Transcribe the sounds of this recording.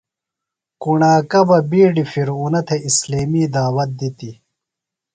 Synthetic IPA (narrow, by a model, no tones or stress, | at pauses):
kuɳaːkɐbɐbiːɖifiɾunɐt̪ʰeisleːmiːd̪aːwɐt̪̚d̪it̪i